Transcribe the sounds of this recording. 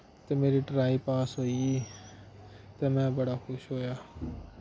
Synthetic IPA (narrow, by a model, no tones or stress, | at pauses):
t̪emeːɾiʈɾaːipaːsɦoii | t̪ɐmɛ̃bəɽakʰʊʃɦoːjaː